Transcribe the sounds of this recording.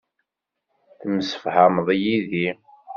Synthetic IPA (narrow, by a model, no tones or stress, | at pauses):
θəmsə̥fhaməðˤjiði